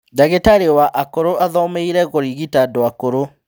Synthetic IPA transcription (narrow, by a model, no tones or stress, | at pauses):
daɣetaɾewaʔakoɾoʔaðɔmeiɾɛɣoɾiɣitadoakoɾo